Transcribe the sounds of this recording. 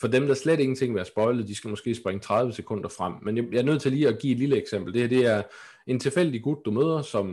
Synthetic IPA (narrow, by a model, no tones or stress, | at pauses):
fɒ̽d̥emd̥ɑ̈æɐsled̥e̝ŋn̩t͡sʰe̝ŋ̰ʋeæɐsb̥ɒ̽ɪləð̩ˠd̥isɡ̥æmɒ̽sɡ̥e̝̰ːsb̥ʁeŋət͡sʰʁäð̞ˠʋəsekʰɔ̽n̰d̥ɐfʁam̰ːenjjɑ̈ɐnøð̞̰ˠt͡sʰe̝liːæɡ̥ḭːe̝d̥liləeɡ̥sem̰b̥l̩d̥e̝hæɐd̥e̝æɐ | e̝nt͡sʰe̝lfel̰d̥iɡ̥ud̥̚d̥umøːðˠɐsɒ̽m